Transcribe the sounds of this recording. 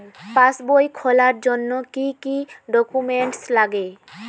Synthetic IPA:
pasbojkʰɔlaɾd͡ʑonːokikiɖɔkumeɳʈslaɡe

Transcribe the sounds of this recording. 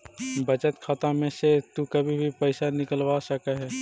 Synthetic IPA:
bɐt͡ʃət̪kʰaːt̪amẽset̪ukɐbʱibʱipəɪsanɪkəlwasəkəɦɛː

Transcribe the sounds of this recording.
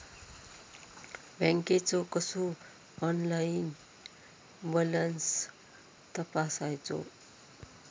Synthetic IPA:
bʱɛ̃ŋket͡sokəsu | ɔnlajin | bɔləns | t̪əpasajt͡so̰

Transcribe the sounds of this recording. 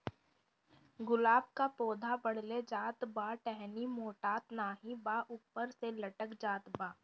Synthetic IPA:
ɡʊlaːbkapoːd̪ʱabɐɽ̤led͡ʒaːt̪baːʈɛɦnimoːʈaːt̪naːɦibaːʔʊpːəɾselɐʈəkd͡ʒaːt̪baː

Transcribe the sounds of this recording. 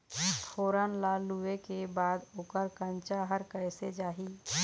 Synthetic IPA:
t̪ʰoːɾənlaluekebaːd̪okəɾkə̃nt͡ʃaɦəɾkəɪsed͡ʒaːɦi

